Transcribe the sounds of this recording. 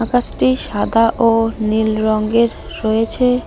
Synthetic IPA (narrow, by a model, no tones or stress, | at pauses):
akasʈiʃad̪aʔonilɾɔŋɡeɾːɔjet͡ɕʰe